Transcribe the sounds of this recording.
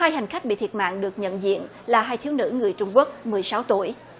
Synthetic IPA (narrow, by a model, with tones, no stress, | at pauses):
haː˧jha˨˩ŋ̟xa˦˥k̟̚ɓḭ˧˨t̪ʰi˨˩ət̚ma̰ː˧˨nɗɨ˨˩ək̚ɲə̰˧˨nzḭ˧˨ən | laː˨˩ɦaː˧jt̪ʰi˨˦wnɨ̰˧˥ŋɨ˨˩əjt͡ɕʊ˧ŋ͡mku˦˥ək̚mɨ˨˩əjsa˨˦wt̪u˧˩əj